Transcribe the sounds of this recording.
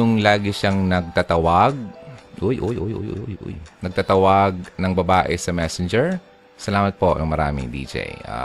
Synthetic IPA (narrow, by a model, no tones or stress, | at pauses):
jʊŋlaːɡɪʃaŋnɐɡ̚t̪at̪ɐwɐɡ̚ʔojʔojʔojʔojʔo̰jojʔo̰jnɐɡ̚t̪at̪ɐwɐɡ̚nɐŋbɐbaːʔɛsɐmɛsɛnd͡ʒɛɹ | sɐlaːmɐt̪̚pojɐŋmɐɾa̰ːmɪ̰ŋd̪ḭːd͡ʒɛ̰jʔa̰